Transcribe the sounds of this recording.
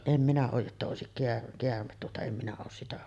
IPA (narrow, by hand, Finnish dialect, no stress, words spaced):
em minæ oːj jotːɑ oˑesik keær keærmet tuotɑ em minæ oːs sitæ